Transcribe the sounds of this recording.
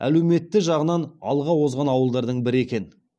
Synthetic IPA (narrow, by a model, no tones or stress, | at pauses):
æ̰le̞wme̞t̪ːɪʒɑʁənɑnɑ̰lˠʁɑwo̞zʁɑnɑwəlˠd̪ɑɾd̪əɴbɪɾe̞kʲe̞n